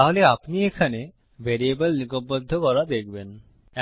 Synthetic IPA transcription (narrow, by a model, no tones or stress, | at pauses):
aɦoleapniekʰane | beɾiebelnikobod̪ʱːokɔɾad̪ek̚ben | ɛ